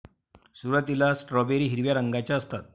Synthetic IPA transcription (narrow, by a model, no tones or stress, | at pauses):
suːɾat̪ilasʈɾɔbeɾiːɦiɾʋjaɾəŋɡat͡ɕjaəst̪at̪̚